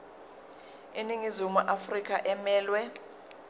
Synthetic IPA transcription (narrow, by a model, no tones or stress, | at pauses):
iniŋizumuʔafrik̬ʼʰaʔɛmɛːlwɛ